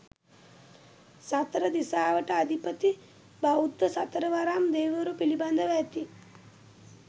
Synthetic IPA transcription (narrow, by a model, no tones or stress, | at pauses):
sat̪ɾəd̪isaːʋəʈəad̪ʱipət̪i | baud̪ːəsat̪ɾəʋaɾamd̪eːʋəɾupiliband̪əʋæt̪i